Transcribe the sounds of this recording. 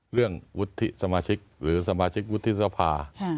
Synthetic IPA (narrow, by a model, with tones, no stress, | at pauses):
ɾɯ˥˩əŋwu˦˥t̪ʰːi˦˥sa˧maː˧t͡ɕʰi˦˥k̚ɾɯː˩˦sa˧maː˧t͡ɕʰi˦˥k̚wu˦˥t̪ʰːi˦˥sa˧pʰaː˧˥